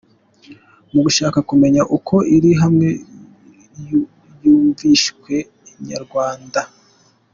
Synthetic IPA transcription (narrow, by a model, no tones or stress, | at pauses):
muɡuʃaːkakume̞ɲaʔukʰo̞iɾiɦamŋe̞ | juːɱviʃkwe̞ | iɲa̰ɾɡwaːnda